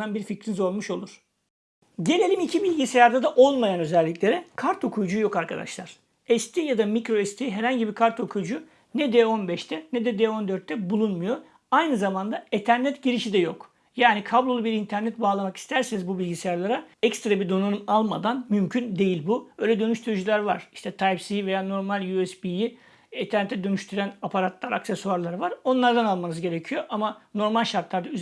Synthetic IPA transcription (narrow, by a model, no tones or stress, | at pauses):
anbiɾficɾinizo̞lˠmuʃo̞lˠuɾ̥ | ɟe̞ne̞lʲimicʰibilʲɟisejaɾd̪ad̪aʔo̞lˠmajanø̞zɛlʲːicʲlʲe̞ɾɛkʰaɾt̪ʰo̞kʰujud͡ʒujo̞kaɾkʰa̰d̪a̰ʃlˠaɾ̥ | ɛst̪ʰijad̪amikɾo̞ɛst̪ʰiɦɛɾhaɲɟibikʰaɾt̪o̞kʰujd͡ʒu | nɛd̪ɛo̞nbɛʃt̪ʰɛnɛd̪ɛd̪ɛo̞nd̪øɾt̪ːɛbulˠunmujo̞ | ajnɯzamand̪aet̪ʰæɾnɛt̪ɟiɾiʃid̪ɛjo̞k | jaːnikʰablˠo̞lˠubiɾint̪ʰæɾnɛt̪baːlˠamaki̥st̪ʰæɾsenizbubilʲɟisijaɾlˠaɾaɛkst̪ɾabiɾd̪o̞nanumalˠmad̪anmymcʰynd̪e̞jilʲbubøjlʲɛd̪ø̞nyʃt̪ʰyɾyd͡ʒulʲæɾva̰ɾ̥iʃt̪ʰɛt̪ʰajpsive̞jaːno̞ɾmalʲjuɛsbiji | et̪ʰæɾnɛt̪ʰːɛd̪ø̞nyʃt̪ʰyɾænapʰaɾat̪lˠaɾaksesuaɾlˠaɾvaɾo̞nlˠaɾd̪analˠmanɯzɟe̞ɾecʰijo̞ʔamano̞ɾmalʲʃaɾt̪lˠaɾd̪ayz